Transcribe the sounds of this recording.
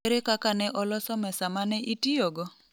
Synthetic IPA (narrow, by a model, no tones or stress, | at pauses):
eɾekakanɛʔɔlɔsɔmɛsamanɛʔitioɡɔ